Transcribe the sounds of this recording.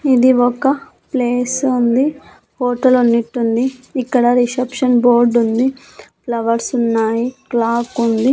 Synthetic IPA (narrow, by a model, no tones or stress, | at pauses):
id̪iɔkɐ | pleːsund̪i | hoːʈɐlunːiʈːund̪iːkːɐɽɐɾisɐpʂɐnboːɾɖund̪i | plɐʋɐɾsunːaːjiklaːkund̪i